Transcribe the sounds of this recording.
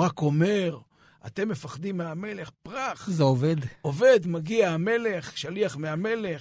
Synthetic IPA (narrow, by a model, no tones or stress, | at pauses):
ako̞me̞ʁ | a̰t̪e̞mːe̞faχd̪imeame̞le̞χpʁaχzeoved̪ove̞d̪maɡiaame̞le̞χʃaliaχmeame̞le̞